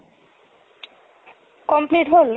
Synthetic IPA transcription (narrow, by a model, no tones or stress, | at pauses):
kɔmpliʈɦol